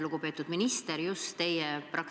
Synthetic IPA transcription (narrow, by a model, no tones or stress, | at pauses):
luɡ̥upe̞ːt̪ːˑud̪minist̪eɾjust̪ːe̞jɛprɑk